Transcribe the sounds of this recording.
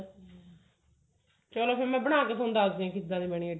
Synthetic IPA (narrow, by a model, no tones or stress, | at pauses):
t̪eɛːloːpʰɪɾmɛ̃ːbəɽ̃aːkeːt̪ʰːʊ̃nd̪aːɡd̪iːãːkɪd̪ãːd̪iːmɛːɽ̃ie